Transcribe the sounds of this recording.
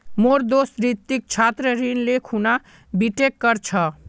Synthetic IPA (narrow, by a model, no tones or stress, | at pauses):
moɾd̪osɾit̪ːik̚t͡ʃʰat̪ɾəɾinlekʰuna | biʈekːəɾt͡ʃʰə